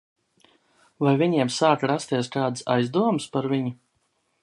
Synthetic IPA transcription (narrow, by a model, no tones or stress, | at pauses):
vajviɲiɛmsaːkɾast̪iɛskaːd̪ɨsajzd̪uɔmɨspaɾviɲu